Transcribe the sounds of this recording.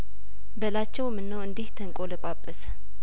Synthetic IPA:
bəlat͡ʃːɛwmɨnːəwɨnd̪iht̪ʰəŋkʼoləkʷʼapʼːəsə̥

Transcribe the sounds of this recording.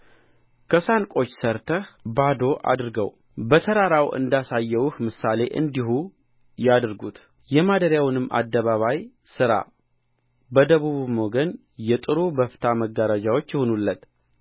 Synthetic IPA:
kʰəsankʼo̞t͡ʃːsəɾt̪ʰəhbad̪o̞ʔa̰d̪ɨɾɡə̰w | bət̪ʰəɾaɾawʔɨ̰nd̪asajːɛwhmɨsale̞ʔɨ̰nd̪ihu | jad̪ɨɾɡut̪ | jɛmad̪əɾjawnɨmːʔa̰d̪ːəβaβaj | sɨɾa̰ | bəd̪əβuβmo̞ɡən | jɛt̪ʼɨɾubəft̪ʰaməɡːaɾad͡ʒawo̞t͡ʃːɪhonulːət̪

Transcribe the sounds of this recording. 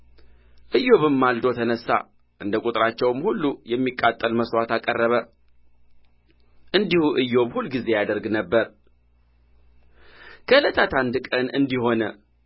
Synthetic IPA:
ʔɨjːo̞βɨmːald̪o̞t̪ʰənəsːa̰ | ʔɨnd̪əkʼut̪ʼɨɾat͡ʃːɛwmhulːujɛmːikʼːat̪ʼːəlməswat̪akʼərːəβə | ʔɨnd̪ihuʔɨjːo̞bhulːɡize̞jad̪əɾɡnəbːəɾ | kʰələt̪ʰat̪ʰand̪ɨkʼənɨ̰nd̪iho̞nə

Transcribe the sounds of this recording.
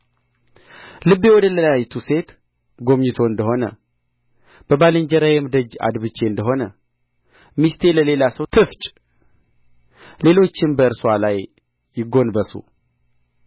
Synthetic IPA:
lɨbːewɔd̪ələjajt̪ʰuse̞t̪ | ɡo̞mɲɪt̪ʰo̞ɨnd̪əɦo̞nə̰ | b̥əbaləɲd͡ʒɛɾajɛmd̪əd͡ʒa̰d̪βɨt͡ʃːe̞ɨnd̪əɦo̞nə | mist̪ʰe̞ləle̞lasəwt̪ʰɨft͡ʃʼ | le̞lo̞t͡ʃːɪnbəɨɾswalajː | ɪɡo̞nbəsṵ

